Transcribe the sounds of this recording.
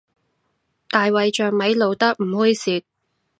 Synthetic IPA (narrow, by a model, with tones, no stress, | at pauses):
t̪aː˨jwɐ˨jt͡ʃœː˨ŋmɐ˨˥jlo˨wt̪ɐ˥k̚m̩˨˩hu˥jsiː˨˧˩k̚